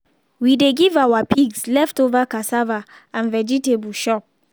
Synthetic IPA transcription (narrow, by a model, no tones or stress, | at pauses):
wideɡivawapʰiɡslɛftovakasava | ãnvɛd͡ʒitebulʃɔp̚